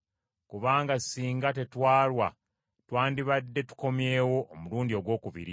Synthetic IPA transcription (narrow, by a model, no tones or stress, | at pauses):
kuβaːŋɡasiːŋɡate̞twaːlwa̰ | twaːndiβadːe̞tu̥ko̞mje̞ːwo̞ʔːmuluːndio̞ɡwo̞ːkuβḭɾi